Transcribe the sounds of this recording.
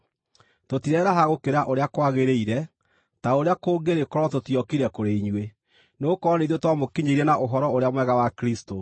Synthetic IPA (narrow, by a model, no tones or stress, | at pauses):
totiɾɛɾaɦaɣokeɾaʔoɾeakwaɣeɾeiɾɛ | taoɾeakoːɡeɾekɔɾɔtotiɔkiɾɛkoɾeiɲwe | neokɔneðotwamokiɲeiɾɛnaʔoɦɔɾɔoɾeamwɛɣawakɾisto